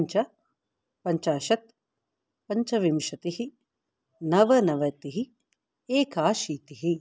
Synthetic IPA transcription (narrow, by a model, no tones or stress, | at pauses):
ɲt͡ʃɐ | pɐɲt͡ʃaːʃɐt̪̚ | pɐɲt͡ʃɐʋimʃɐt̪iɦi | nɐʋɐnɐʋɐt̪iɦi | eːkaːʃiːt̪iɦi